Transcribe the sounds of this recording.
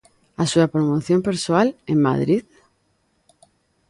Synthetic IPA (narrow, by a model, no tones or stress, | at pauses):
asuapɾomoθjompeɾsoaleŋma̰ðɾið